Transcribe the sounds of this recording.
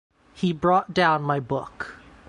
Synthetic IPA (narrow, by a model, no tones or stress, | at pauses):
hibɹɔt̚d̥ãʊ̃nmaɪbʊ̰k